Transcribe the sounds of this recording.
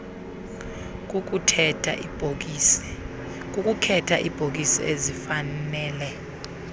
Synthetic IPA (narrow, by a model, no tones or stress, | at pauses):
k̬ʼuk̬ʼukʰɛtʰa̰ʔib̥ʱok̬isɔ̰ʔezifanɛːlɛ